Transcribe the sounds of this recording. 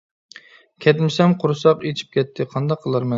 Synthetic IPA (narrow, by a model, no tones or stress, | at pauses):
kʲʰɛt̪mɪsɛmqʰʊɾɨsɑqet͡ʃʰi̥p̚kʲʰɛt̪ʰːɪqʰɑnd̪ɑqʰːəlˠɑɾmɛn